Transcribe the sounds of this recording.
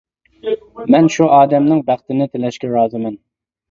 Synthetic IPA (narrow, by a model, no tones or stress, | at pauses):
mɛnʃuʔɑːd̪ɛmnɪŋbæχt̪ɪnɪt̪ʰɪlɛʃkʲɛɾɑːzɪmɛn